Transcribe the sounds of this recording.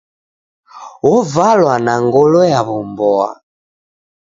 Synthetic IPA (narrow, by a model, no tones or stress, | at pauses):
ɔvalwanaŋɡɔlɔjaβɔmbɔa̰